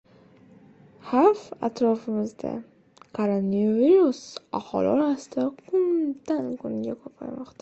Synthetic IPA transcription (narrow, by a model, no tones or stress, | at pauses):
hafat̪ɾɒfɪmɪzd̪a̰ | kʰoɾonviɾusa̰hɒ̰lɪ̰ɒɾasɪd̪aqʰʊnd̪̥ankʰʊŋɡʲakʰɒpʰa̰jmɒqt̪ʰa